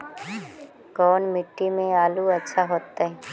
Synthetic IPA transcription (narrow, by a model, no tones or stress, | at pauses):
kɔːnmɪʈːimẽaːluɐtːʃʰaɦoːt̪aɦɛː